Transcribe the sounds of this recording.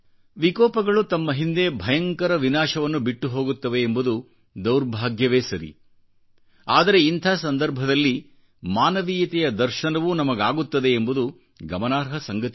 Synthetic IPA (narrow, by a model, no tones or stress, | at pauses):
ʋikɔːpɐɡɐɭut̪ɐmːɐɦind̪e̞bʱɐjɐŋkɐɾɐʋinaːʃɐʋɐnːubiʈːuɦo̞ːɡut̪ːɐʋe̞ːmbud̪u | d̪ɐwɾbʱaːɡjɐʋeːsɐɾḭ | aːd̪ɐɾe̞int̪ʰaːsɐnd̪ɐɾbʱɐd̪ɐlːi | maːnɐʋiːjɐt̪ɛjɐd̪ɐɾʃɐnɐʋunɐmɐɡaːɡut̪ːɐd̪e̞ːmbud̪u | ɡɐmɐnaːɾɦɐsɐŋɡɐt̪